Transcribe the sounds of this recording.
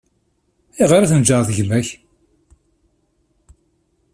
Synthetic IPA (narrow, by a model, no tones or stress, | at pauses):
iʁɾæθənd͡ʒəɾθʝmæç